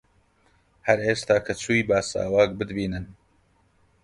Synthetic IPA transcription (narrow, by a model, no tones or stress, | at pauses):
hɐɾeːst̪aːkʰɐt͡ʃʰuːjbaːsa̰ːwaːk̚bɨd̪biːnɨn